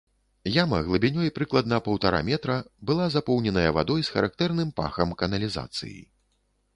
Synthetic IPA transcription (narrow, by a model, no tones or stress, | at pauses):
jamɐɣlˠɨbʲinʲɔjpɾɨklˠɐd̪nɐpɐwt̪aɾa̰mʲɛt̪ɾɐbɨlˠazapɔwnʲɛnɐjɐva̰d̪ɔjsxɐɾʔak̚t̪ɛrnɨmpa̰xɐmkɐnɐlʲiza̰t̪sɨ̰jḭ